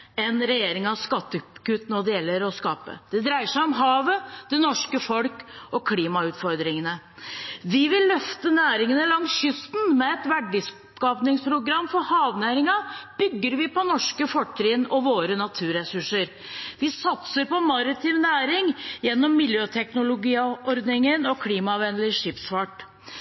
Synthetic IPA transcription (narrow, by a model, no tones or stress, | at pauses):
ɛnɾɛjeːɾɪŋɑʋskɑt̪ːəkʉːt̪nɔɖɛjɛlːəɾɔskɑːpə̰d̪̥ɛd̪ɾæɪəʂæɪɔmɦɑːʋəd̪̥ɛnɔʂkəfɔlkɔkʰliːmɑʉːt̪fɔɾd̪ɾɪŋənə | ʋɪʋɪlːœft̪ənæːɾɪŋənəlɑŋsɕʏst̪nmɛɛt̪ʋæɖɪs | kɑːpnɪŋspʰɾʊɡɾɑmːfɔɾhɑːʋnæːɾɪŋɑb̥ʏɡːəɾʋɪpɔnɔʂkəfɔʈʰːɾɪnɔʋoːɾənɑt̪ʰʉːɾɛsʉʂəɾ | ʋɪsɑt̪səɾpɔmɑɾət̪ʰɪʋnæːɾɪŋjɛnːɔmːɪljøːt̪ʰɛknʊlʊɡiːɔɾd̪nɪŋənɔkʰliːmɑʋɛnlɪʂɪːpsfɑʈ